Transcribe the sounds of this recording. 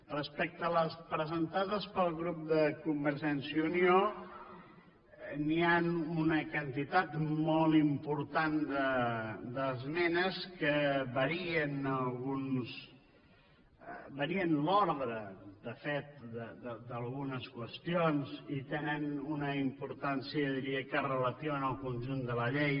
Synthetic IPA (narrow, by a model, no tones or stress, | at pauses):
rəspɛk̚t̪ələspɾəzənt̪aðəspəlˠɣɾup̚d̪əkumbəɾʒɛnsiunio | nianunəkənt̪it̪at̪mɔlˠt̪impuɾt̪and̪əd̪əzmɛnəskəβəɾiənəlˠɣuns | bəɾiənlɔɾðɾəd̪əfet̪̚d̪əd̪əd̪əlˠɣunəskwəst̪ionzit̪enənunəimpuɾt̪ansiəðiɾiəkərələt̪iβənəlˠkunʲʒund̪ələʎej